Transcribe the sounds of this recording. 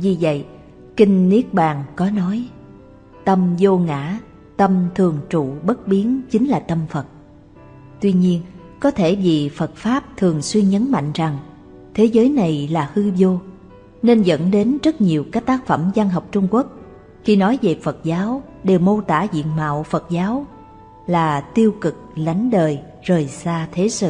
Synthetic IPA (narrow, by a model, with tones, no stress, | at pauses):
vi˨˩və̰˧˨j | kï˧ŋ̟ːi˦˥ək̚ɓaː˨˩ŋkɔ˨˦nɔ˨˦j | t̪ə˧mzo˧ŋa̰ː˧˥ | t̪ə˧mt̪ʰɨ˨˩əŋt͡ɕṵ˧˨ɓə˦˥t̚ɓi˨˦ənt͡ɕï˨˦ŋ̟laː˨˩t̪ə˧mfə˨˩t̚ | t̪wi˧ɲi˧ən | kɔ˨˦t̪ʰe˧˩vi˨˩fə˨˩t̚faː˦˥p̚t̪ʰɨ˨˩əŋswi˧ənɲə˨˦nma̰˧˨jŋ̟za˨˩ŋ | t̪ʰe˨˦zəː˨˦jna˨˩jlaː˨˩hɨ˧zo˧ | ne˧nzə̰˧˥nɗe˨˦nzə˦˥t̚ɲi˨˩əwkaː˦˥k̚t̪aː˦˥k̚fə˧˩mza˧nɦɔ˨˩wk͡p̚t͡ɕʊ˧ŋ͡mku˦˥ək̚ | xi˧˩nɔ˨˦jve˨˩fə˨˩t̚zaː˨˦w | ɗe˨˩wmo˧t̪a̰ː˧˥zḭ˧˨ənma̰ː˧˨wfə˨˩t̚zaː˨˦w | laː˨˩t̪i˧əwkɨ˨˩k̚la˨˦jŋ̟ɗəː˨˩j | zəː˨˩jsaː˧t̪ʰe˨˦sɨ̰˧˨